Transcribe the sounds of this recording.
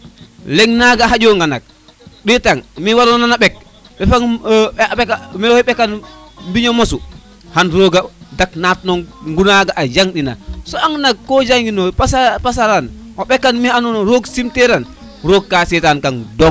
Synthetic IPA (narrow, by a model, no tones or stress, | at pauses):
lɛŋnaɡaɦad͡ʒoŋɡana̰k̚ | ɗitaŋmiwalɔnanaɓɛk̚ | ɓɛfaŋ | ɛkamiɓɛkanmbiɲomosu | hanɾoɡadaknatnɔŋɡunaɡaʔad͡ʒaŋɗina̰sɔaŋnak̚kːɔd͡ʒaŋɡinɔpasapasaɾan | ɔɓɛkːanmianunɔɾoɡsimtɛɾan | ɾoːɡ̚kːasɛtankaŋdɔŋ